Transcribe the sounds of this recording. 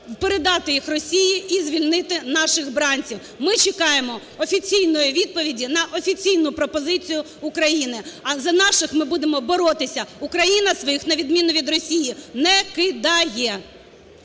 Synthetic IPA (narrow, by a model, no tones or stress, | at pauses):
wpeɾed̪ɑt̪ɪjixrɔsʲijiʔizʋʲilʲnɪt̪ɪnɑʃɪɣbɾɑnʲt͡sʲiw | mɪt͡ʃɪkɑjemɔ | ɔfʲit͡sʲijnɔjʊʋʲid̪̚pɔʋʲidʲinɐʔɔfʲit͡sʲijnʊpɾɔpɔzɪt͡sʲijʊ | ʊkɾɐjinɪɐzɐnɑʃɪxmɪbud̪emɔbɔɾɔt̪ɪsʲɐukɾɐjinɐsʋɔjixnɐʋʲid̪mʲinʊʋʲid̪rɔsʲijinɛkɪd̪ɑjɛ